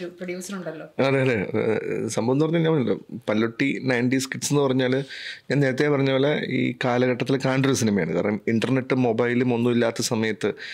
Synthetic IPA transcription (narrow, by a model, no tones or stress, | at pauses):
ɾuprɐjuːsɐnuɳɖɐlːoːɐðeɐðḛːsɐmbɐɐnːɨpɐɲːaːlɲaːmpːnːilːo̰ːpɐlːoʈːinɐjɳɖiskiʈsenːɨpɐrɐɲːaːlɲaːneːɾɐt̪̬ːeːpɐrɐɲːɐʋɐlːɐḭːkaːlɐɣɐʈːɐt̪ːilkaːɳɖoɾusinɐmɐjaːɳɨka̰ːɾɐ̰nɐmiɳɖɐrne̞ʈːɨmo̞bajlumo̞nːumilːaːt̪ːɐsɐmɐjɐt̪ːɨ